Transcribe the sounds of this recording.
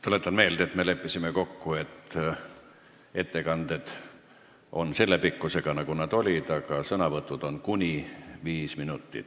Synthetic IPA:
t̪ole̞t̪ːˑɑnme̞ːld̪̥et̪me̞le̞pːˑisimeko̞kːue̞t̪ː | e̞t̪ːe̞kɑnd̪̥ed̪̥ | o̞̰nse̞lːepikːuse̞ɡ̥ɑnɑɡ̥unɑd̪o̞lʲid̪̥ɑɡ̥ɑsɤnɑvɤt̪ːˑud̪̥o̞nkunʲiviːsminut̪ːḭt̪

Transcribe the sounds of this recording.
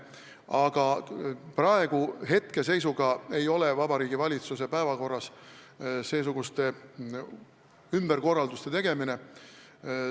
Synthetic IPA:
ɑɡ̥ɑprɑe̞ɡ̥uɦe̞t̪ke̞se̞jsuɡ̥ɑe̞jo̞levɑbɑɾiːɡivɑlʲit̪suse̞pæevɑko̞rːɑs | se̞ːs̬uɡ̥ust̪e̞ | ymb̥e̞ɾko̞rːɑld̪ust̪e̞t̪e̞ɡ̥e̞mine

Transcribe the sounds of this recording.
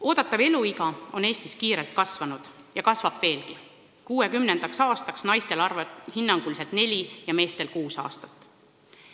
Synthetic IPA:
o̞ːd̪̥ɑt̪ːˑɑve̞luiɡɑo̞ne̞ːst̪iskiːɾe̞lt̪̚kɑsvɑnud̪̥ | jɑkɑsvɑb̥ve̞ːlki | kuːe̞kymne̞nd̪̥ɑksɑːst̪ɑksnɑjst̪e̞lɑrvhinːɑŋɡ̥ulise̞lt̪ne̞lʲijɑme̞ːst̪e̞lkuːsɑ̰ːst̪ɑ̥t̪ːˑ

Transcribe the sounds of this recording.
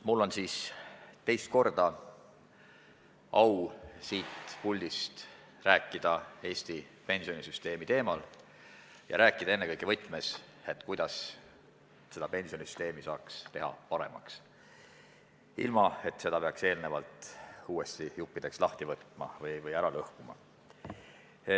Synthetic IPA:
mulːo̞nsiːst̪e̞jst̪̚ko̞rd̪̥ɑ | ʔɑwsiːt̪pulʲd̪ist̪ | ræːkːˑid̪̥ɑe̞ːst̪i | pe̞nsionisyst̪e̞ːmit̪e̞ːmɑl | jɑ̰ɾæːkːˑid̪̥ɑenːe̞kɤjkevɤjt̪ːˑmes | e̞t̪ːˑkujd̪̥ɑs | se̞d̪̥ɑpe̞nsio̞nisy̥st̪e̞ːmisɑːkst̪e̞ɦɑ̰pɑɾe̞̰mɑ̰ks | ḭlmɑe̞t̪se̞d̪ɑpe̞ɑkse̞ːlnevɑlt̪uːest̪ijupːid̪̥e̞kslɑht̪ivɤt̪ːˑmɑ̰vɤjvɤjæɾɑlɤhkumɑ̰

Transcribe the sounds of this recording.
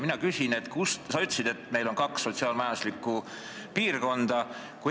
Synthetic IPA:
minɑkysʲine̞t̪kust̪sɑyt̪ːˑsid̪e̞t̪ːme̞jlo̞nkɑksːo̞t̪siɑːlmɑjɑnd̪u̥slikːˑu | piːrko̞nd̪̥ɑ | ku

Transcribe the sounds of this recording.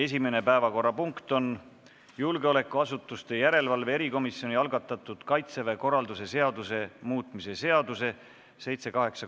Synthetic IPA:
e̞s̬ʲime̞ne̞pæevɑko̞rːɑpuŋkt̪o̞n | julɡ̥eo̞le̞kːˑuɑsut̪ːˑust̪e̞jæɾe̞lvɑlvee̞ɾiko̞misjo̞nʲiɑlɡɑt̪ːˑɑt̪ːˑud̪̥kɑjt̪seveko̞rːɑld̪use̞se̞ɑd̪use̞muːt̪ˑmise̞se̞ɑd̪̥use̞ | se̞jt̪se̞kɑɦe̞ksɑ

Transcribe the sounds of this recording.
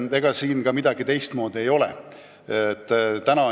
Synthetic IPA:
e̞ɡ̥ɑsiːnkɑmid̪̥ɑɡ̥it̪e̞jst̪mo̞ːd̪ie̞jo̞lɛ̰ | t̪ˑːt̪ænɑ

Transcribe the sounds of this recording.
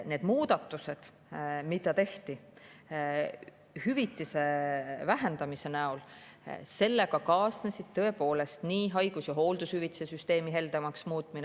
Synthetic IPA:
ne̞ːd̪̥muːd̪ɑt̪ːˑuse̞d̪̥ | mid̪ɑt̪e̞ht̪i | hyvit̪ˑːise̞væɦe̞nd̪ɑmise̞næolse̞lːe̞kɑkɑːsnesid̪̥̚t̪ɤ̞e̞po̞ːle̞st̪niːɦɑjɡ̥usjɑɦo̞ːld̪̥ushyvit̪i̥sesyst̪e̞ːmiɦe̞ld̪̥ɑmɑksmuːt̪ˑmine

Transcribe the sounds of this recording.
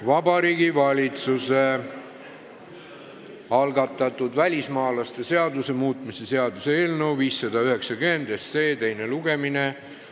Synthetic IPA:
vɑbɑɾiːɡivɑlʲit̪suse̞ | ɑlɡɑt̪ːˑɑt̪ːˑud̪vælʲismɑːlɑst̪e̞se̞ɑd̪use̞muːt̪ˑmise̞se̞ɑd̪useeːlnəwviːsːɑd̪̥ɑyɦe̞ksɑkyend̪esːe̞ːt̪ejne̞luɡ̥e̞mine

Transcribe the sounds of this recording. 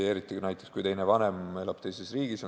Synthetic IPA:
e̞ɾit̪ːˑinæjt̪ːˑe̥skujt̪e̞jnevɑne̞melɑb̥̚t̪e̞jsesriːɡiso

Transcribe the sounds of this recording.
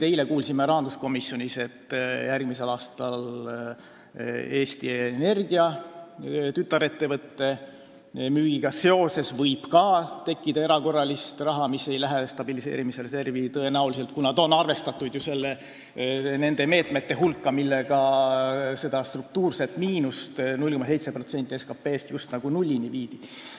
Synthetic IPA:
t̪e̞jle̞kuːlsimeɾɑɑnd̪̥usko̞misːjo̞nʲise̞t̪ːˑjʔærɡmise̞lɑːst̪ɑl | e̞ːst̪iene̞rɡ̥iɑ | t̪yt̪ːˑɑɾe̞t̪ːe̞vɤt̪ːe̞ | myːɡ̥iɡ̥ɑse̞o̞se̞svɤjb̥kɑt̪e̞kːid̪ɑe̞ɾɑko̞rːɑlist̪rɑɦɑmise̞jlæɦest̪ɑb̥ilise̞̰ːɾimise̞lse̞rvit̪ɤe̞næulis̬e̞lt̪̚kunɑd̪̥o̞nːɑrve̞st̪ɑt̪ːˑud̪̥juse̞lːe | ne̞nd̪̥e̞me̞ːt̪me̞t̪ːe̞ɦulkːɑmilːe̞ɡɑ | se̞d̪̥ɑst̪ruk̚t̪uːrse̞t̪ːmiːnust̪nulʲko̞mɑse̞jt̪sepro̞t̪se̞nt̪ʲːˑie̞skɑpːe̞ːst̪just̪nɑɡ̥unulʲːiniviːd̪̥i

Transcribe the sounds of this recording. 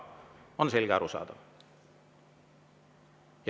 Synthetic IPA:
onselɡæ̰ɾusɑ̰ˑt̪ɑ | j

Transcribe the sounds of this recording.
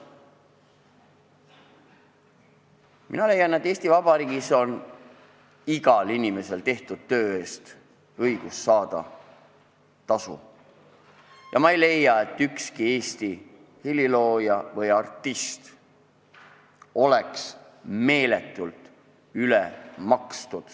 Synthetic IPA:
mʔḭnɑle̞jːɑnːet̪ːe̞ːst̪ivɑb̥ɑɾiːɡiso̞n | iɡɑlinʲime̞se̞lt̪e̞ht̪ud̪̥̚t̪ø̞ːe̞ːst̪ | ɤjɡ̥usːɑːd̪̥ɑ̰ | t̪ɑsṵ | jɑmɑejle̞jːɑe̞t̪ːykskie̞ːst̪i | hililo̞ːjɑvɯjɑrt̪ːˑist̪ | o̞le̞ks | me̞ːle̞t̪ːˑult̪ˑ | ylemɑkst̪ud̪̥

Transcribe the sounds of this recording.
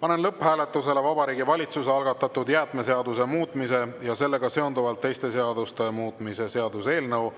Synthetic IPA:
pɑne̞nlɤpːhæːlet̪ːˑuse̞le̞vɑbɑɾiːɡivɑlʲit̪suseɑlɡ̥ɑt̪ːˑɑt̪ːud̪jæːt̪me̞seɑd̪use̞muːt̪ːˑmise̞jɑse̞lːe̞ɡ̥ɑse̞o̞nd̪uvɑlt̪ːe̞jst̪e̞seɑd̪̥ust̪e̞muːt̪ːˑmise̞se̞ɑd̪̥use̞ːlnɤw

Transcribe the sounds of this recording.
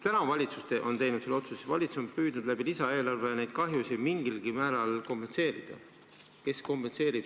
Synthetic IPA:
t̪ænɑvɑlʲit̪sust̪e̞ʔo̞nt̪e̞jnud̪̥selo̞t̪susevɑ̰lʲit̪suso̞mpyːd̪̥nud̪læbilisɑe̞ːlɑrve̞jɑnejd̪̥̚kɑɦjusɑmiŋɡ̥ilɡ̥imæːɾɑlko̞mpense̞ːɾid̪̥ɑ̰ | ke̞sko̞mpe̞nse̞ːɾib̥

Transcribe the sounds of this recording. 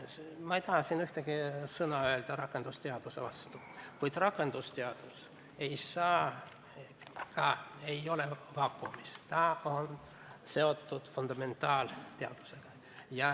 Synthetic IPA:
smɑejt̪ɑhɑsinyht̪eɡisɤnɑøe̞ld̪ɑɾɑkːˑe̞nd̪̥ust̪eɑd̪̥usevɑst̪u̥ | kujd̪̥rɑkːˑe̞nd̪̥ust̪eɑd̪̥us | e̞jsɑː | kɑe̞jo̞levɑkːˑumist̪ɑo̞n | se̞o̞t̪ːˑud̪̥fund̪̥ɑme̞nt̪ːˑɑːlt̪eɑ̰d̪̥u̥se̞ɡ̥ɑ | jɑ

